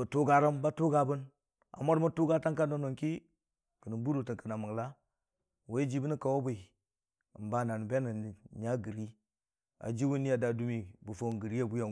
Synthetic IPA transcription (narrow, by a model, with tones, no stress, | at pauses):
bə˨tu˦ɡa˨ɾa˦mba˦tu˦ɡa˨bu˦n | a̰˨mo˦ɾmu˦tu˦ɡa˦ta˦ka˦ndo˦no˨ŋki˦ | kə˨nə˨bu˦ɾo˨tə˨ŋkə˨na˨mə˨ŋla˦ | wo˦i˦d͡ʒi˦bə˦ni˦ka˨wo˦bu˨i˨ | mba˦˨na˨n˨be˦nə˨ɲa˦ɡə˨ɾi˦ | a̰˨d͡ʒi˦wu˦ni˦ja˨da˨du˦mi˨bu˨fo˦˨ŋɡə˨ɾi˦ja˦bu˦ja˨